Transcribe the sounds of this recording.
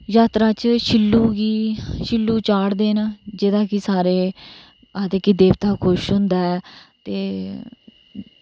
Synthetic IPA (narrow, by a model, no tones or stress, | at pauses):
jaːt̪ɾaːt͡ʃʃʰɪlːuːɡiːʃɪlːuːt͡ʃaːɽd̪eːnad͡ʒed̪ãːkɪsaːɾeː | aːd̪eːkid̪eːʋt̪aːkʰʊʃɦʊ̃nd̪aːɛːt̪eː